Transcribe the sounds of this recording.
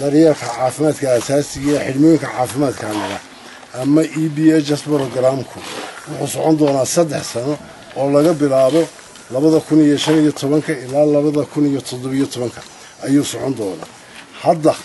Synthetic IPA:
d̪ɐɾjarkʰɐʕɑːfɪmaːd̪kʰɐaːsaːsɪɣɐħɪlmɔjŋkʰɐʕɑːfɪmaːd̪kʰɐːmɪlɐ | ʔɐmɐʔiːbiːɛt͡ʃɐsbɾɔɡɾamkʰʊwʊħʊsɔʕɔnd̪ɔːnaːsɐd̪ːɛħsɐnɔ | ɔːlɐɣɐbɪlaːβɔ | lɐβɐðɐkʰʊnijɔʃɐnijɔt̪ʰɔβɐŋkʰɐɪlaːlɐβɐðɐkʰʊnijɔt̪ʰɔd̪ɔβijɔt̪ʰɔβɐŋkʰɐ̥ | ʔɐjuːsɔʕɔnd̪ɔːna̰ː | hɐd̪ɐ

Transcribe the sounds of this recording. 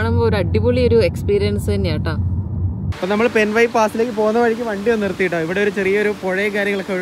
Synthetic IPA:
ɳɐmːooɾɐɖːibuɭio̞ɾue̞kspiːɾijɐnsɨɐnːejaːʈːaː | poːnɐmːɐɭpe̞nʋɐjpaːsile̞ːkːɨpo̞ːunːɐʋɐɻikʲːumʋɐɳɖionːirt̪ːijiʈːoːiʋiɽe̞o̞ɾut͡ɕe̞rijɐo̞ɾupo̞ɻɐjɐkaːɾjɐŋːɐɭo̞kːeɐɻ

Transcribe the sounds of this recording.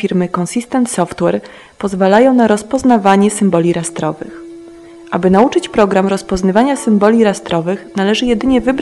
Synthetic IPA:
iɾmɘkɔnsist̪ɛnt̪sɔft̪wɛɾ | pɔzvalajɔ̃w̃naɾɔspɔznavaɲɛsɘmbɔlʲiɾast̪ɾɔvɘ̰x | ʔabɘnaut͡ʂɘt͡ɕpɾɔɡɾamɾɔspɔznavaɲasɘmbɔlʲiɾast̪ɾɔvɘxnalɛʐɘjɛd̪ɘɲɛvɘb

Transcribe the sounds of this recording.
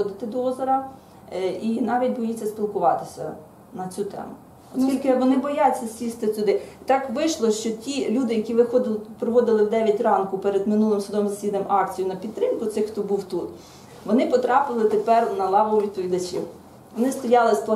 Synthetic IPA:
ɔd̪ɪt̪ɪd̪ɔɔzɔɾɐ | inɑʋʲit̚ʲbɔjit͡sʲːɐspʲilˠkʊʋɑt̪ɪsʲɐ̰ | nɐt͡sʲut̪ɛ̰mʊ | ɔskʲilʲkɪʋɔnɪbɔjat͡sʲːɐsʲsʲist̪ɪt͡sʲʊd̪ɪt̪ɑkʋɪʃlˠɔʃt͡ʃɔtʲilʲud̪ɪjɐkʲiʋɪxɔd̪ɪlˠpɾɔʋɔd̪ɪlˠɪwd̪ɛʋʲjɐtʲrɑnkʊpɛɾed̪mɪnulˠɪmsʊd̪ɔmzɐsʲid̪ɐmɑkt͡sʲijʊnɐpʲid̪t̪ːɾɪmkʊt̪sɪxxt̪ɔbuwt̪ut̪ | ʋɔnɪpɔt̪ɾɑpɪlˠɪt̪epɛrnɐlˠɑʋɐʋʲid̪̚pɔʋʲid̪ɐt͡ʃḭw | ʋɔnɪst̪ɔjɑlˠɪsplˠɐ

